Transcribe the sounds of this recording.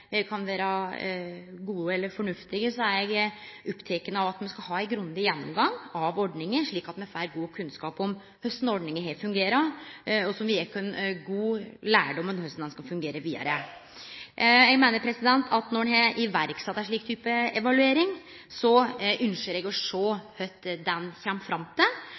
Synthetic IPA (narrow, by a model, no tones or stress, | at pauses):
kʰɑnʋæːɾɑ | ɡuːəɛlːəɾfɔɳʉft̪ɪɡəsɔæɾjɛɡ | ɔpːt̪ʰɛkənəɑʋɑt̪mɛnskɑlɦɑːæɪɡɾʉnd̪ɪjɛnːɔmɡɑŋɑʋɔɖɳɪŋəʂɭiːkɑt̪mɛfæːɾɡuːkʰʉnskɑːpɔm | hœst̪n̩ɔɖɳɪŋəɦefʉŋɡeːɾɑɔsɔmʋɪɛkʰɛnɡuːlæːɖɔmːənhœst̪n̩d̪ɛnskɑfʉŋɡeːɾəʋiːd̪ɑ̰ɾə | jɛɡmeːnəɾpʰɾɛsɪd̪ɛnt̪ʰɑt̪nɔnhɛʔɪʋæɾksɛt̪ːæʂɭiːkt̪ʰyːpəɛʋɑlʉeːɾɪŋ | sɔʉnʂəɾɛɡɔʂɔhœt̪ːd̪ɛnçɛmːfɾɑmt̪ʰə